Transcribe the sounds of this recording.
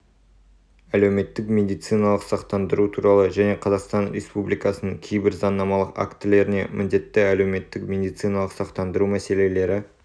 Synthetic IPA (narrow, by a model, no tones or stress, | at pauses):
ælewme̞t̪ːɪkmʲe̞d̪ijt̪sɨjnɑlˠəqsɑqt̪ɑnd̪əɾut̪ʰuɾɑlˠəʒæne̞qʰɑzɑqst̪ɑnɾḛspublijkɑsənəɴkʲʰejbɪɾzɑnːɑmɑlˠəqa̰kt̪ːɪle̞ɾɪne̞mʔɪnd̪e̞t̪ːɪæle̞wme̞t̪ːɪkmʲe̞d̪ijt̪sɨjnɑlˠəqsɑqt̪ɑnd̪əɾumæse̞le̞le̞ɾɪ